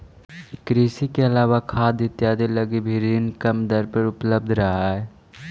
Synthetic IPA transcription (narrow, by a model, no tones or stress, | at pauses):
kɾiːsikeɐlaːʋakʰaːd̪ɪt̪jaːd̪elɐɡibʱiɾiːnkɐmd̪əɾpəɾʊpləb̚d̪ʱɾɐɦaɦɛ